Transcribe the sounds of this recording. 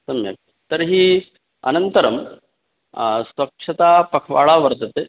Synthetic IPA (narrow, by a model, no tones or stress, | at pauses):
sɐmjɐ̰k̚ | t̪ɐɾɦiː | ɐ̰nɐnt̪ɐɾɐm | sʋɐkʂɐt̪aːpɐkʰʋa̰ːɭaːʋɐɾt̪ɐt̪e